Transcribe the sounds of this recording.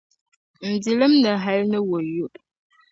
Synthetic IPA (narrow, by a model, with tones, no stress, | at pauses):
n̩˨di˨lə˦mnə˨ɦɛ˨˦lnə˦wo˨ju˦ʔ